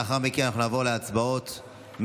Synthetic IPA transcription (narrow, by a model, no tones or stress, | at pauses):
aχaʁmiknanaχnunavo̞ʁleat͡sbao̞t̪ | m